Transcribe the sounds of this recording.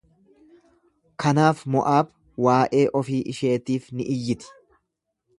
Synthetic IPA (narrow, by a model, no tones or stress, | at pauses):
kɐnaːfmɔʔaːb | waːʔe̞ːʔɔfiːʔɪʃe̞ːt̪iːfnɪʔɪjːɪt̪ɪ̥